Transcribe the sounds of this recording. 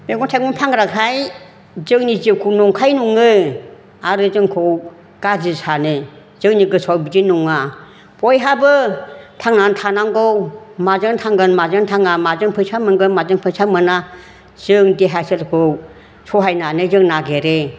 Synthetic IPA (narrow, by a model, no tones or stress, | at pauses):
beɡɔntʰajmuŋpʰaŋɾakhaj | zɯŋnizɯwkʰuwnɔŋkʰajnuŋɯ | aɾɯzɯŋkʰɯw | ɡ̥azisanɯ | z̥ɯŋniɡɯsʰawbid͡ʒinuŋa | pɔjɦabɯtʰaŋnantʰanaŋɡowmazɯŋtʰaŋɡɯnmazɯŋtʰaŋamazɯŋpʰɯjsʰamɯŋɡɯmazɯŋpʰɯjsʰamɯna | z̥ɯŋdeɦaselkʰɯw | sʰɔɦajnanɯzɯŋnaɡeɾe